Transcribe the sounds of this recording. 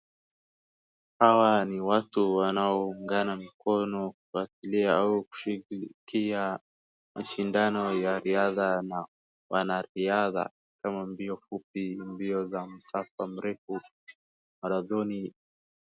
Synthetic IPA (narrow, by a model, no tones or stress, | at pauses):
hawaniwatuwanaɔuŋɡanamikɔnɔkufatiliaauku̥ʃikia | mʔaʃindanɔjaɾiaðana | wanaɾiaða̰ | kamambiɔfup̚imbiɔzam̩safam̩ɾɛfu | maɾaðɔni